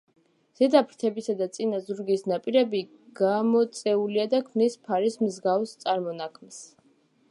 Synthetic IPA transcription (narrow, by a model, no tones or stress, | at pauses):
z̥ɛd̪apʰɾt̪ʰɛbisad̪at̪sʼinazuɾɡisnapʼiɾɛbi | ɡ̥amɔt̪sʼɛuliad̪akʰmnispʰaɾismzɡafst̪sʼaɾmɔnakʰms